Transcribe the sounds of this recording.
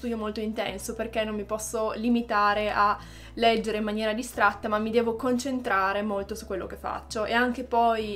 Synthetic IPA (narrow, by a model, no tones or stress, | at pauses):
t̪ud̪jomolt̪oint̪ɛ̰nsoperkenːommipɔsːolimit̪aːɾeʔa | lɛd͡ʒːeɾeimːanjɛːɾad̪ist̪ɾat̪ːamamːid̪ɛːvokont͡ʃent̪ɾaːɾemolt̪osu̥kːwelːo̰k̟efːa̰t͡ʃːoʔeaŋk̟epɔj